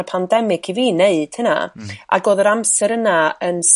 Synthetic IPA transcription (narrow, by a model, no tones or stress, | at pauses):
pʰandɛmɪkʰiviːneɨd̥həna̰a̰ɡoːðəɾamsɛɾənaəns